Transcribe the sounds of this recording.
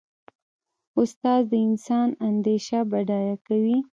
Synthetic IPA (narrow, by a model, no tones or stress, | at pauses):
ʊst̪ɑzd̪əɪnsɑnand̪eʃabaɖɑjakawi